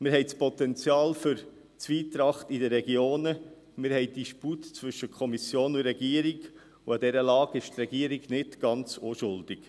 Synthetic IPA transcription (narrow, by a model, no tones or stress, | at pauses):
mɪɾɦɛɪspɔt̪ɛnt͡sjɑːlfʏɾ | t͡sʋiːtɾɑχtidəɾɛɡjoːnə | mɪɾhɛɪdiʃputt͡svɵʃəkʰɔmisjoːnʊɾɛɡiəɾiɡ | uɑd̪ɛɾəlɑːɡɪʃt̪ɾɛɡiəɾiɡnɪtɡ̥ɑnt͡soʃʊld̥ɪk